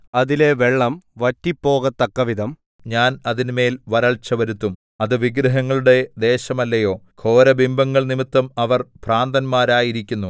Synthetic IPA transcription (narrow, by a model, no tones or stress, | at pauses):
ɐðile̞ʋe̞ɭːɐmʋɐtːipːo̞ːɣɐt̪ːɐkːɐʋid̪ʱɐm | ɲaːnɐðinme̞ːlʋɐɾɐɭt͡ɕːɐʋɐɾut̪ːum | ɐðɨʋiɡɾɐɦɐŋːɐɭuɽe̞d̪e̞ːɕɐmɐlːɐjo̞ːkʰo̞ːɾɐbimbʱɐŋːɐɭnimit̪ːɐmɐʋɐrpraːnd̪ɐnmaːɾaːjiɾikʲːunːu